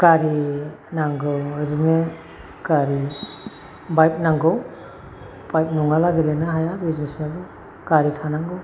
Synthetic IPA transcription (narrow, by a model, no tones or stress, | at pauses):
kaɾi | naŋɡɯwɾine | kaɾi | bajp̚naŋɡɯw | b̥ajp̚nɔŋalaɡɯlenaɦajabiznesabɯ | kaɾitʰanaŋɡɯw